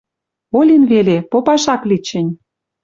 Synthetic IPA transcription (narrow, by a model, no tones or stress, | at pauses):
olʲinβelʲepopɑʃɑklit͡ɕə̆nʲ